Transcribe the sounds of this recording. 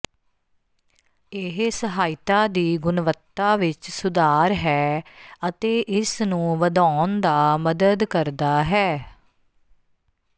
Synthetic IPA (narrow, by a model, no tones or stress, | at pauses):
ɪɦsəɦaːɪt̪aːd̪iːɡʊnʋət̪ːaːʋɪt͡ʃsʊd̪aːɾɦɛːət̪eːʔɪsnũːʋəd̪aːnd̪aːməd̪əd̪kəɾd̪aːɦɛː